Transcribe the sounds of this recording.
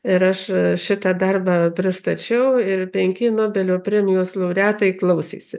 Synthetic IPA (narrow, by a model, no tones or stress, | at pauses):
ɪɾɐʃʃʲɪt̪ɐd̪ɐrbɑːpʲɾʲɪst̪ɐt͡ʃʲɛʊɪrpʲɛŋʲkʲɪnoːbʲɛlʲoːpʲɾʲɛmʲɪjoːslˠɐʊɾʲæːt̪ɐɪklˠɐʊsʲḭːsʲɪ